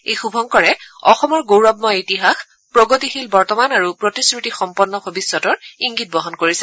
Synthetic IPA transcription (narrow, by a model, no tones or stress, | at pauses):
ejxubʱɔŋkɔɹɛɔxɔmɔɹɡowɹɔb̚mɔitiɦax | pɹoɡotixilbɔɹtɔmanaɹupɹotiskɹitixɔmpɔnːɔbʱobisːɔtɔɹiŋɡit̚bɔɦɔnkoɹisɛ